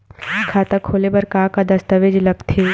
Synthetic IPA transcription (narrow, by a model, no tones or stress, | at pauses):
kʰaːt̪akʰoːlebɐɾkaːkad̪ɐst̪əʋed͡ʒlɐkt̪ʰeː